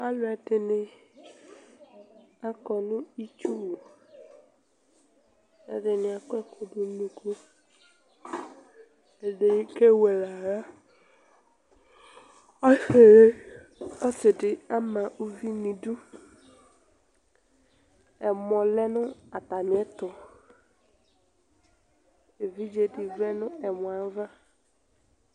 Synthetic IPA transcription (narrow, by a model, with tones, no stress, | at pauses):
a˦lʊ˨ɛ˨tɪ˨nɪ˨ | a˦kɔ˨nʊ̃˦i˦t͡ʃu˦wo˨ | ɛ̰˨dɪ˨nɪ˨a˨kʊ˦ɛ˦ko˨dʊ˨nũ˨ku˦ | ɛ˨de˨˦ke˦wɛ˨la˨ɾa˦˨˦ | ɔ˦sɪ˨dɪ˨a˦ma˨ʔu˦vi˦ni˨du˦ | ɛ˨m˨ɔ˨lɛ˦nʊ˦a˨ta˨nɪ˨˦ɛ˦tʊ˨ | e˨vi˦d͡ʒe˨dɪ˨vɛ˦nʊ˦ɛ˨mʊ˨a˨˦va˦